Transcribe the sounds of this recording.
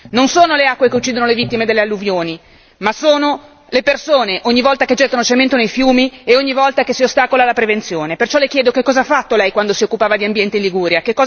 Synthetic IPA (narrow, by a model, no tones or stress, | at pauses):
nonsoːnoleakːwekeut͡ʃːid̪onolevit̪ːimed̪elːealːuvjoːni | masoːno | lepersoːneʔoɲːivɔlt̪aked͡ʒɛt̪ːanot͡ʃement̪onejfjuːmieoɲːivɔlt̪akesiost̪aːkolalapɾevent̪sjoːnepert͡ʃɔlekjɛːd̪okekːɔːzafːat̪ːolɛjkwand̪osiokːupaːvad̪iambjɛnt̪einliɡuːɾjakekːɔː